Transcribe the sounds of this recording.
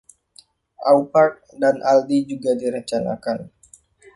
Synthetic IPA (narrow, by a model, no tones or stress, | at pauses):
ʔawpart̪̚danʔaldid͡ʒuɡadiɾəɲt͡ʃana̰kan